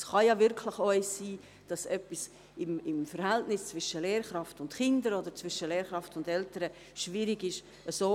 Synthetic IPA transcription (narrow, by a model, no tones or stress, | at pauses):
sχɑjɑvɪɾkʰlɪχɔʏssiː | d̥ɑsœpis | ɪmɪmfəɾhɛltnɪst͡svɪʃəleːɾχɾɑftʊntχɪndəɾodəɾt͡sv̥ɪʃəleːɾχɾɑftʊndɛltəɾə | ʃviːɾɪɡɪʃ | əsoː